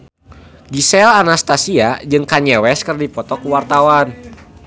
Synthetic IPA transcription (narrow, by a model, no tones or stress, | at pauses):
ɡisɛlanast̪asiad͡ʒɨŋkaɲɛwɛskɨrdipɔt̪ɔkuwart̪awan